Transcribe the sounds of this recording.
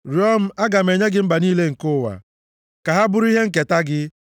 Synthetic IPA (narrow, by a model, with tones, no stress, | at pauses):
ɾjɔ˦m̩˦a˦ɡa˨m̩e˨ɲe˦ɡɪ˦m̩˦ba˨niː˦le˦ŋ̩˨kʊ˦˨wa̰˨ | ka˨ɦa˦bʊ˦ɾʊ˦i˦ɦe˦ŋ̩˦˨k̬e˨ta˦ɡɪ˦